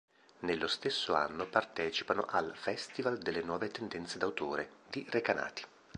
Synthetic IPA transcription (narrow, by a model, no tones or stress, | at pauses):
nelːost̪esːoa̰nːopart̪ɛːt͡ʃi̥pano̰ʔalfɛst̪ivald̪elːenwɔːvet̪end̪ɛnt̪sed̪awt̪oːɾed̪̥irekana̰ːt̪i̥